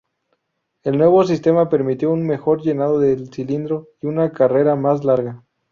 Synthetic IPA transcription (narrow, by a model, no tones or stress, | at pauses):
e̞lnwe̞βo̞s̬ist̪e̞mape̞ɾmit̪jo̞unme̞xo̞ɾʝe̞nað̞o̞ðelsilind̪ɾo̞iunakare̞ɾamaslaɾɣa